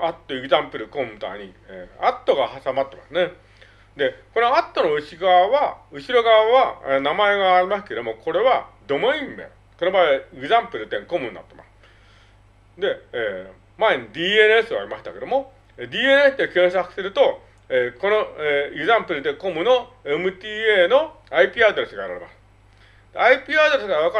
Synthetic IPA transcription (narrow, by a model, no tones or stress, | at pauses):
at̪ːoekɯ̟zãmpɯ̟ɾɯkõ̞mt̪a̰ɲ̟ieːat̪ːo̞ɡahasamat̪ːemasɨne̞ | d̪e̞ko̞no̞at̪ːo̞noɯ̟ɕiɡaβaβaɯ̟ɕiɾo̞ɡaβaβanamae̞ɡaːɾʲimas̬ɨ̥ke̞d̪o̞mo̞kʰo̞ɾe̞βad̪o̞moĩnd̪a̰jo | ko̞nobaeeɡɯ̟zãmpɯ̟ɾɯ̟t̪ẽ̞ŋko̞mɯ̟nːa̰t̪ːe̞ma̰sɨ̥ | d̪e̞eː | maeɲid̪ʲiːenɯesɨβa̰ɾʲimaɕi̥t̪ake̞d̪o̞mo̞ | ed̪ʲiːenesɨd̪e̞kẽ̞ɰ̃sakɯ̟̥sɨɾɯ̟t̪o̞ | eko̞noeeɡzãmpɯɾɯ̟t̪ẽ̞ŋko̞mɯ̟no̞ | emɯ̟t̪iːeːno̞ | aipʲiːad̪oɾesɨɡaeɾaɾḛmasɨ̥ | d̪̥eaipʲiːad̪oɾesɨɡaɾaβaka